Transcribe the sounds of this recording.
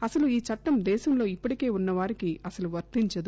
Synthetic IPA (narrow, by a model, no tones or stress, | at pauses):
ɐsɐluiːt͡ʃɐʈːɐmd̪ɛːʃɐmlo̞ːipːɐɽike̞ːunːɐʋaːɾikiɐsɐluʋɐɾt̪iɲt͡ʃɐd̪u